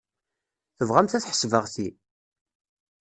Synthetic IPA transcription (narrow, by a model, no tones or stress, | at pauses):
θəvʁæmθæθħə̥svəʁθi